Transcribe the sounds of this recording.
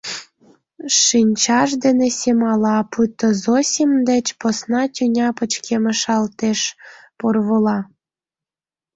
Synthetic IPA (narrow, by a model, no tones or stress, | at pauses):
ʃinʲt͡ɕɑʃd̪enesʲemɑlɑput̪ːozosʲimd̪ĕt͡ɕposnɑtʲynʲɑpə̆t͡ɕkʰemə̆ʃɑlt̪eʃporβolɑ